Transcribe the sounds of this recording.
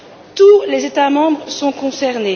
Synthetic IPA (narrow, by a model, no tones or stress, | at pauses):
t̪ulezet̪amɑ̃bʁəsɔ̃kɔ̃sɛʁne